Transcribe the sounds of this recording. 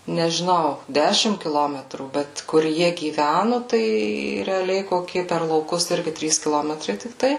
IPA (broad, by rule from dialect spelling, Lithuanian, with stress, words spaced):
nʲɛʒʲɪˈnɐʊ ˈdʲæːʃʲɪm kʲɪˈlˠoːmʲɛtruː ˈbʲɛt kʊr ˈjiɛ ɡʲiːˈʋʲænʊ tɐɪ rʲɛɐˈlʲɛɪ ˈkoːkʲiɛ pʲɛr lˠɐʊˈkʊs ˈɪrʲɡʲɪ ˈtʲrʲiːs kʲɪˈlˠoːmʲɛtrɐɪ tʲɪkˈtɐɪ